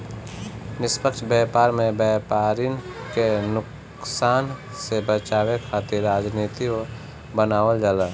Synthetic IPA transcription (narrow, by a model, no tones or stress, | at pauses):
nɪspəkʃbɛːpaːɾmẽbɛːpaːɾinkenʊk | saːn | sebət͡ʃaːwekʰaːt̪ɪɾːaːd͡ʒniːt̪io | bənaːwəld͡ʒəla